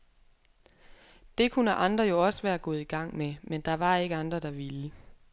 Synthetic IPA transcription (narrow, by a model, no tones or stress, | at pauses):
d̥e̝kʰunəʔɑ̈nd̥ʁɐjo̝ɒ̽səʋæːɐɡ̥ɔ̽ːð̩ˠiɡ̥ɑ̈ŋ̰memend̥ɑ̈ʋɑ̈e̝ɡ̥əɑ̈nd̥ʁɐd̥ɑ̈ʋilə